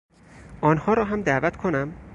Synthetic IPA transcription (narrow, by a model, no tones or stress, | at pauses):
ʔɒːnhɒːɾɒːɦæmd̪æːvæt̪kʰonæm